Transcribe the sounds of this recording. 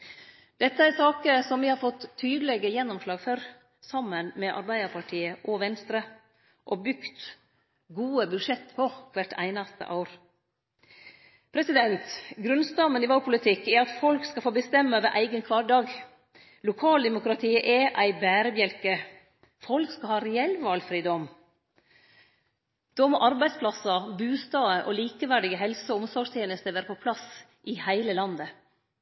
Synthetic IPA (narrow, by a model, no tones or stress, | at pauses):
d̪̥ɛt̪ːəæɾsɑːkəsɔmʋɪhɑːɾfɔt̪ʰːyːd̪əlɛɡəjɛnːɔmslɑːɡføɾ | sɑmːənmɛʔɑ̰ɾbæɪd̪əɾpʰɑʈʰiːəʔɔʋɛnst̪ɾə | ʔɔbʏkt̪ | ɡuːəbʉd̪ʂɛt̪ːpʰɔkʰʋæʈʰæ̰ɪnɑst̪ə̰ʔɑ̰ʊɾ | pʰɾɛsɪd̪ɛnt̪ɡɾʉnst̪ɑmənɪʋɑlpʰʊlɪt̪ʰɪkːæɾɑt̪fɔlkskɑfoːbəst̪ɛmːəʋəʔæɪɡənkʰʋɑːɖɑːɡ | lʊkʰɑːld̪ɛmʊkɾɑt̪ʰiːəʔɛʔæɪbæːɾəbjɛlkə | fɔlkskɑhɑːɾɛɛlʋɑːlfɾiːd̪ɔm | d̪̥oːmɔʔɑɾbæɪspʰlɑsɑbʉːst̪ɑːəʔɔliːkəʋæɖɪɡəɦɛlsəʊmsɔʂt̪ʰjeːnəst̪əɾʋæːɾəpʰɔpʰlɑs | ʔɪhæɪləlɑnd̪ə